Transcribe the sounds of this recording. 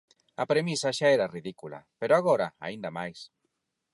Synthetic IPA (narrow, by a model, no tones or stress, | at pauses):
apɾemisaʃaeɾariðikula̰peɾoaɣoɾa̰a̰ind̪amajs